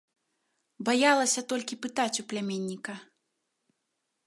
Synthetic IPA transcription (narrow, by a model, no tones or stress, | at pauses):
bajalˠɐsʲɐt̪ɔlʲkʲipɨt̪at͡sʲuplʲamʲenʲːikɐ